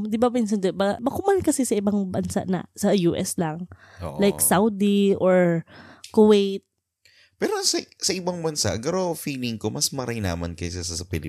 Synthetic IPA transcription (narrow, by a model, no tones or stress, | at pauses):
d̪ɪbapɪns̬ɐnd̪obaɡbɐkʊmalkɐsɛsɐɪbaŋbɐnsa̰ʔnɐ̰sɐjuːʔɛslɐŋ | lajksawd̪iʔoɹkowejt̪̚ | pɛːɾosɐsɐʔɪbaŋbɐnsa̰ʔɡɐɾofiːlɪŋkomɐsmɐɾajna̰ːmɐnkɐjsasɐsɐpɪlɪ